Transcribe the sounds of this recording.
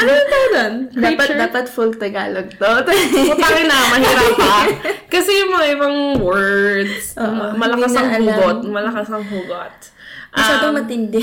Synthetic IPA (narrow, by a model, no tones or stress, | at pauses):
ʔɐnɐɐt̪ad̪onapɐd̪aːpɐt̪fʊlt̪ɐɡaːloɡ̚t̪ot̪apakɪnɐmɐhiːɾɐpːɐkɐsɛjʊŋmɐŋaʔɪbɐŋwɛɹd̪sʔoʔomɐlɐasɐŋɐuɡot̪̚mɐlɐkasɐŋɦuːɡot̪̚ | ʔmɐʃaːoŋmɐt̪ɪnd̪ɛ